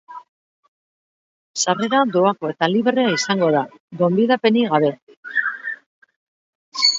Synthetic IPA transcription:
sare̞ɾad̪o̞ako̞e̞t̪aliβreaisaŋɡo̞ð̞a | ɡo̞mbiðape̞niɣaβe̞

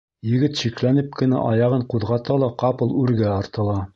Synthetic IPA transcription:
jɘ̆ɡɘt̪ɕiklænɘp̚kɘ̆næ̰ʔɑjɑʁɤɴquðʁɑt̪ɑlˠɑqɑpɤlˠʉɾɡæɑɾt̪ɤ̆lˠɑ

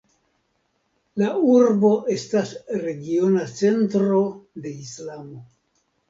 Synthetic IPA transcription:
lauɾbo̞ʔe̞stasɾe̞ɡio̞nat͡se̞ntɾo̞de̞islamo̞

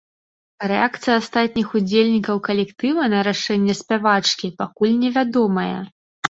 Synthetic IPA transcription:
rɛakt̪sɨjɐast̪at̪ʲnʲixud͡zʲelʲnʲikɐwkɐlʲɛkt̪ɨvɐnɐɾaʂɛnʲːɛsʲpʲavat͡ʂkʲipakulʲnʲɛvʲad̪ɔmɐjɐ̰

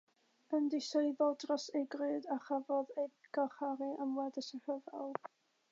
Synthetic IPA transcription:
əndɪseɨbɔdrɔsejɡrɨːdaχavɔðejɡ̥aχaɾiʔəmwɛdəsəhəvɛlˠ

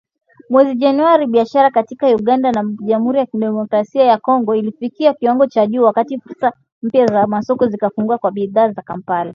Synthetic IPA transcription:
mwɛziʄanuaɾiɓiaʃaɾakatikauɠandanaʄamhuɾijakiɗɛmɔkɾasiajakɔŋɡɔilifikiakiwaŋɡɔt͡ʃaʄuːwakatifuɾsa | m̩pjazamasɔkɔzikafuŋɡuakwaɓiðaːzakampala

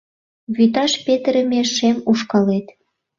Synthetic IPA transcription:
βyt̪ɑʃpet̪əɾə̆meʃemuʃkɑlet̪

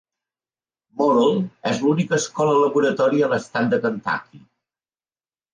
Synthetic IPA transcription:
moɾolˠɛzlunikəːskɔlələβuɾət̪ɔɾiəːləst̪at̪̚d̪əkənt̪a̰ki

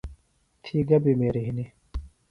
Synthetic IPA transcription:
t̪ʰiːɡɐbimeːɾiɦini

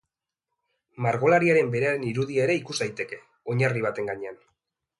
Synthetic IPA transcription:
maɾɣo̞laɾiaɾe̞mbe̞ɾeaɾe̞niɾuðiaeɾe̞ikuzd̪ajt̪e̞ke̞ | o̞ɲariβ̞at̪e̞ŋɡaɲe̞an

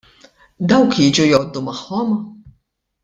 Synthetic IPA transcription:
d̪ɐwkjid͡ʒujɔd̪ːumɐħːɔm

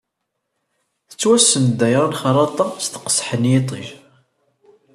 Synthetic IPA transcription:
θə̥t͡sːwæsːənd̪æjɾˤɑnχəɾˤɑt̪ˤːɑst̪ə̥qə̥sˤːħənjet̪ˤḭʒ

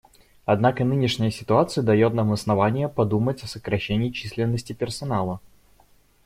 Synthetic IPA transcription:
ɐd̪nakənɨnʲɪʂnʲɪjəsʲɪ̥t̪ʊat̪sɨjəd̪ɐjo̞t̪naməsnɐvanʲɪjəpɐd̪umətʲɐsəkɾɐɕːenʲɪːt͡ɕisʲlʲɪnːəsʲtʲɪpʲɪrsɐnalˠə

